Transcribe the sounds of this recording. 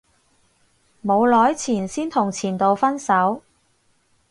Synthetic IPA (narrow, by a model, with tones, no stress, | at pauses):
mo˨˧wlɔː˨˥jt͡sʰiː˨˩nsiː˥nt̪ʰʊ˨˩ŋt͡sʰiː˨˩nt̪o˨˧wfɐ˥nsɐ˨˥w